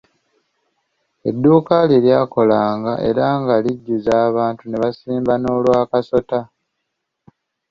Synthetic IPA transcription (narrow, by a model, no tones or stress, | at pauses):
e̞̰dːuːkaleljaːko̞laːŋɡaʔe̞̰ɾaŋɡaliɟːuzaːβaːntune̞βasiːmbano̞ːlwaːkaso̞ta